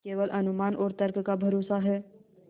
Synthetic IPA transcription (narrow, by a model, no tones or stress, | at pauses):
keːʋəlʔɐnʊmaːnʔɔːɾt̪əɾkkabʱɐɾoːsaɦɛː